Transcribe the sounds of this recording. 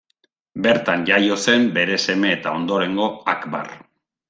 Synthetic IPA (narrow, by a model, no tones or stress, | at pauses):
be̞ɾt̪aɲʝajo̞se̞mbe̞ɾe̞se̞me̞ːt̪ao̞nd̪o̞ɾe̞ŋɡo̞akba̰r